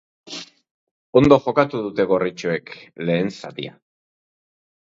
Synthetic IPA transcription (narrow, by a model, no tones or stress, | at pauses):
o̞nd̪o̞ʝo̞kat̪uðut̪e̞ɣo̞rit͡ʃoe̞kle̞ːnsa̰t̪ḭa